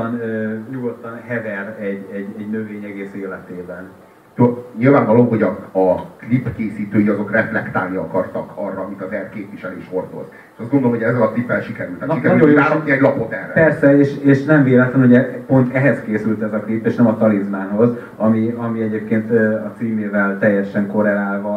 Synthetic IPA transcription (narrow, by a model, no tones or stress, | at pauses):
nøɲuɡot̪ːɒnɦɛvɛrɛɟɛɟɛɟnø̞veːɲɛɡeːseːlɛt̪eːbɛn | t̪øɲilvaːɱvɒlomɦo̞ɟɒɒklipkeːsiːt̪øːjiɒzo̞krɛflɛkt̪a̰ːlniɒkɒrt̪ɒkɒrːɒːmit̪ɒzɛrkeːpviʃɛleːʃo̞rd̪o̞̰z | e̥ʃɒzɡond̪olomɦoɟɛzːɛlɒklipːɛlʃikɛɾylt̪aʃikɛɾyoaɔiɛɟlɒpo̞t̪ɛrːɛ̰pɛrsɛeːʃeːʃnɛɱveːlɛt̪lɛnɦuɟɛpo̞nt̪ɛɦɛzkeːsylt̪ɛzɒklipːeːʃnɛmɒt̪ɒlizmaːnɦo̞z | ɒmiɒmiɛɟeːpkeːnt̪øɒt̪siːmeːvɛlt̪ɛjːɛʃɛŋko̞ɾɛlaːlvɒ